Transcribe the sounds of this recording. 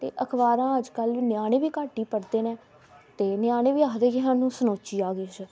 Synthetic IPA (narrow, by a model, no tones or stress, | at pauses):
t̪ḛːʔəkʰʋaːɾãːəd͡ʒkəlʋiːnjaːɽ̃ẽːʋiːkaːʈiːpəɽd̪eːnẽː | t̪eːnɪjaːɽ̃eːʋiːaːkd̪eːkɪɦãːnũːsənoːt͡ʃiːaːɡiːd͡ʒə